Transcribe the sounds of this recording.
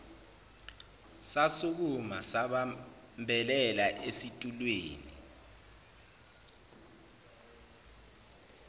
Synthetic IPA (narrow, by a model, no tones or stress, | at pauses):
sasuk̬umasaɓa | mbʱɛlɛlaʔesitʼulweːnḭ